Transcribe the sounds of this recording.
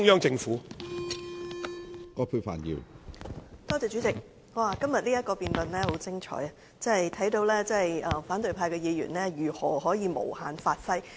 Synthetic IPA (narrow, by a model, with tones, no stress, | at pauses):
ŋjœː˥ŋt͡sɪ˧ŋfuː˨˥ | kɔː˧pʰu˧fa̰ː˨˩njḭ˨˧w | t̪ɔː˥t͡sɛː˨˧t͡ʃyː˨˥t͡sɪ˨k̚ | wwaː˧kɐ˥mjɐ˨t̚liː˥jɐ˥t̚kɔː˧piː˧nt̪ɐ˨nlɛː˥ho˨˥wt͡sɪ˥ŋt͡ʃʰɔ̰ː˨˥jɐ˨ | t͡sɐ˥ɐ˨jt̪ʰɐ˨˥jt̪o˧wlɛː˥t͡sɐ˥˨jɐː˧faː˨˥nt̪ɵ˨˧ɥpʰaː˧jkɛː˧jiː˨˧jy̰˨˩nlɛː˥jyː˨˩hɔː˨ɦɔː˨˥jiː˨˧mo̰˨˩whaː˨˩nfaː˧t̚fɐ˥j